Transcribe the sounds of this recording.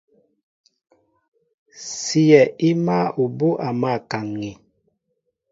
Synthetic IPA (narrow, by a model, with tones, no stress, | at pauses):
si˦jɛ˨i˦ma˦u˨bo˦ʔa˨ma˦˨ka˨ŋːi˨